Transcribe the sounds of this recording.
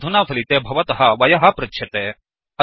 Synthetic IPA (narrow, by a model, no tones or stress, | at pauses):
d̪ʱunaːfʰɐlit̪eːbʱɐʋɐt̪ɐɦɐʋɐjɐɦɐpɾɐtːʃʰɐt̪eː | ɐ